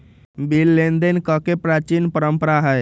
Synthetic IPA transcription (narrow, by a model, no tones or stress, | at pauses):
bilːend̪ənkɔkepɾat͡ʃinpəɾəmpəɾaɦəj